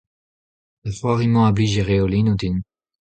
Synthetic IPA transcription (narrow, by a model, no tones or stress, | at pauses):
ləfɔʁimɑ̃abliʒeʁeolinod̪in